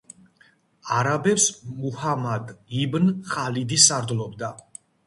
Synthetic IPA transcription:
aɾabɛpsmuhamad̪ibnχalid̪isaɾd̪lˠɔbd̪a

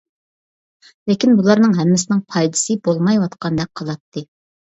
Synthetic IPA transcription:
lɪkʲinbulˠɑɾnɨŋɦɛmːɪsɪnɪŋpʰɑjd̪ɨ̥sɨbolˠmɑjwɑt̪qʰɑnd̪ɛk̚qʰɑlˠɑt̪ʰːɨ

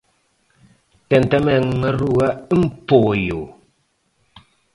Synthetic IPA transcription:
tɛntɛmɛŋəɾuam̩poːjo

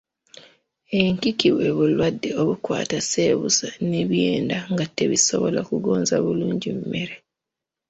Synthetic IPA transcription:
eŋkikiβwe̞βulwadːeoβukwa̰ːtaseːβusaneβje̞ːndaŋɡatːeβiso̞βo̞lakuɡo̞ːnzaβuluːɲɟimme̞ɾe

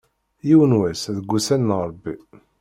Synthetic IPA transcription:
jiwənwæsðəɡʷːusænːəˤɾˤbːi

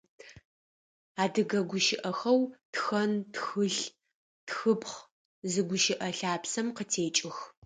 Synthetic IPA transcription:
aːdɨɡɐɡʷʊʃɪʔɐxɐwtxɐntxɨɬ | txɨpχ | zɨɡʷʊʃɪʔɐɬaːpsɐmqətʰeːt͡ʃʼɪx

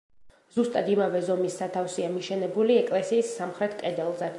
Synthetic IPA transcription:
z̥ust̪ʼad̪imavɛzɔmisːat̪ʰafsiamiʃɛnɛbuliɛkʼlɛsiːsːamχɾɛt̪ʰkʼɛd̪ɛlˠzɛ

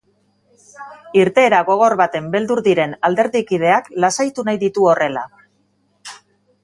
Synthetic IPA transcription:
iɾt̪e̞ːɾaɣo̞ɣ̞o̞ɾβat̪e̞mbe̞ld̪uɾðiɾe̞nald̪e̞ɾðikið̞e̞aklasajt̪unajðit̪uo̞re̞la

